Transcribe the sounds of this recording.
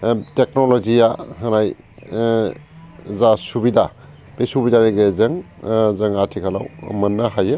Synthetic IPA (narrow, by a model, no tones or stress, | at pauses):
tek̚nolɔzijahɐnaj | zasubida | b̥esubidaɾeɡezɐŋ | zɐŋatʰikʰala̰wmɐnːahajɯ